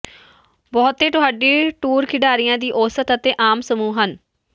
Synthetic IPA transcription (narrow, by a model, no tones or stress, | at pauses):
bɔːt̪ːeːt̪ʊɦaːɖiːʈuːɾkʰɪɖaːɾijãːd̪iːʔoːsət̪ət̪eːʔaːmsəmuːɦən